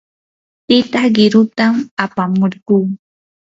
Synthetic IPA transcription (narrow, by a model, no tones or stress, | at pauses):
t̪ɪt̪aχɢɪɾʊt̪amapamoɾkuː